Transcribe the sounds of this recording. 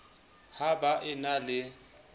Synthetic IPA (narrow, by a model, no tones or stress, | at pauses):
habaʔɪnalɪ